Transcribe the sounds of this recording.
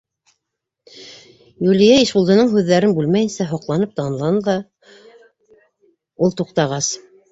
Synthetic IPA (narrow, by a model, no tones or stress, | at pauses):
julijæiʃbulˠd̪ɤ̆nɤɴɦʉðːæɾɘnbʉlmæjɘ̆nsæɦŏqlˠɑnɤp̚t̪ɑnlˠɑnˠɑ | ulˠt̪uqt̪ɑʁɑs